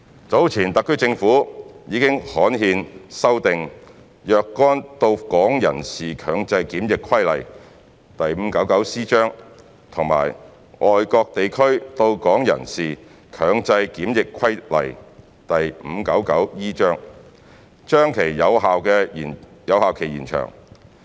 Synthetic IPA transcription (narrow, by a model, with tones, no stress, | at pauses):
t͡so˨˥wt͡sʰiː˨˩nt̪ɐ˨kʰːɵ˥ɥt͡sɪ˧ŋfuː˨˥jiː˨˧kɪ˥ŋhɔː˨˥nɦiː˧nsɐ˥wt̪ɪ˨ŋ | jœː˨˧kːɔː˥nt̪o˧wkɔː˨˥ŋjɐ̰˨˩nsiː˨˩kʰœː˨˧ŋt͡sɐ˧jkiː˨˥mjɪ˨kʰwɐ˥jlɐ̰˨˩j | t̪ɐ˨jm̩˨˧kɐ˨˥wkɐ˨˥wsiː˥t͡ʃœː˥ŋ | t̪ʰʊ˨˩ŋma̰ː˨˩j | ʔɔː˨jkɔː˧k̚t̪e˨jkʰɵ˥ɥt̪o˧wkɔː˨˥ŋjɐ̰˨˩nsiː˨ | kʰœː˨˧ŋt͡sɐ˧jkiː˨˥mjɪ˨kʰwɐ˥jlɐ̰˨˩j | t̪ɐ˨jm̩˨˧kɐ˨˥wkɐ˨˥wjiː˥t͡ʃœː˥ŋ | t͡ʃœː˥ŋkʰe˨˩jːɐ˨˧wɦaː˨wkɛː˧˨˩jɐ˨˧wɦaː˨wkʰe˨˩jiː˨˩nt͡ʃʰœ̰ː˨˩ŋ